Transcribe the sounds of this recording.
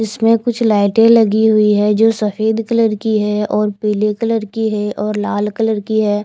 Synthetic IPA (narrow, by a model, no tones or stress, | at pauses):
ɪsmẽkʊt͡ʃʰlaːɪʈẽlɐɡiɦʊiɦɛd͡ʒoːsɐfeːd̪kələɾkiɦɛɔːɾpiːlekələɾkiɦɛʔɔːɾlaːlkələɾkiɦɛː